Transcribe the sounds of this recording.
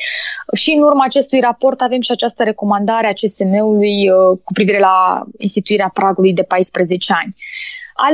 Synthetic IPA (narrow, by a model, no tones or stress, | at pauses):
ʃiɨnurmaːt͡ʃe̞st̪ujrapo̞rt̪ave̞mʃiat͡ʃast̪əɾe̞ko̞mand̪aɾeat͡ʃe̞se̞me̞ulujkupɾiviɾe̞laḭnst̪it̪uiɾeapɾaɡulujd̪e̞pajspɾe̞ze̞t͡ʃe̞anʲa̰l